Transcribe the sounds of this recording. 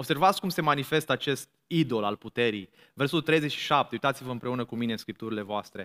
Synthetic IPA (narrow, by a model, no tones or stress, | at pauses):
obse̞rvat̪sʲkumse̞manife̞st̪əat͡ʃe̞st̪ | id̪o̞la̰lput̪e̞ɾḭj | versot̪ult̪ɾe̞jze̞t͡ʃʃi̥ʃap̚t̪eujt̪at̪sivəɨmpɾe̞unəkumineɨnskɾip̚t̪uɾile̞voast̪ɾe̞